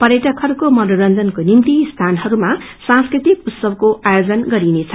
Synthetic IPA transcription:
pʌɾjeʈʌkʰʌɾukomʌnoɾʌnd͡zʌnkonimt̪ist̪ʰanɦʌɾumasãnskɾrit̪ikut̪sʌbkoʔajod͡zʌnɡʌɾinet͡sʰʌ

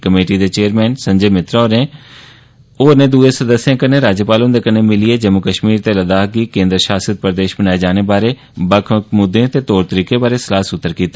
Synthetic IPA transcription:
kəmeːʈid̪eːt͡ʃeːəɾmɛːnsə̃ɲd͡ʒeːmɪt̪ɾaːɾneː | oːnẽːd̪uːeːsəd̪əsːjãːkəɾneːɾaːd͡ʒəpaːlond̪eːkəɾneːmɪlieːd͡ʒəmːʊkəʃmiːɾt̪eːləd̪aːɡikẽːnd̪ɾəʃaːsət̪̚pəɾd̪eːʃbənaːed͡ʒaːneːbaːɾeː | bəkʰkmʊd̪ːẽːt̪eːt̪oːɾt̪əɾiːkebaːɾesəlaːsʊt̪ːəɾkiːt̪aː

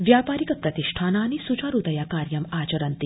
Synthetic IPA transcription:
ʋjaːpaːɾikɐpɾɐt̪iʃʈʰaːnaːnisut͡ʃaɾud̪ɐjaːkaːɾjɐmaːt͡ʃɐɾɐnt̪i

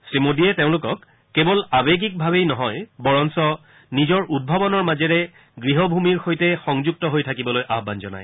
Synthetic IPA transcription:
sɹimodiɛteʊ̃lʊkɔkː | ebɔlabeɡik̚bʱabejnɔɦɔjbɔɹɔnsɔ | nizɔɹʔud̚bʱabɔnɔɹmazɛɹɛ | ɡɹiɦɔbʱumiɹxojtɛxɔŋzuk̚tɔɦojtʰakibɔlojʔaɦbanzɔna̰j

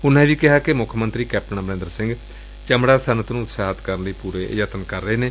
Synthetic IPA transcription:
ʊnẽːʋiːkɪɦaːkɪmʊkʰmənt̪ɾiːkɛːp̚ʈənãːbəɾẽːnd̪əɾsɪ̃ŋɡ | t͡ʃəmɽaːsənət̪nũːʊt̪saːɦət̪kəɾənləiːpuːɾeːd͡ʒət̪ənkəɾːəeːneː

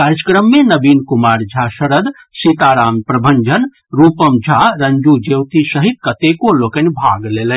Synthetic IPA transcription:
kaɾjəkɾəmːenəbinkumaːɾd͡ʒʱasəɾəd̪ | sit̪aɾaːmpɾɐbʱəɲd͡ʒən | ɾupəmd͡ʒʱaɾənd͡ʒud͡ʒewt̪isəɦit̪̚kət̪ekolokənbʱa̰ɡlelən

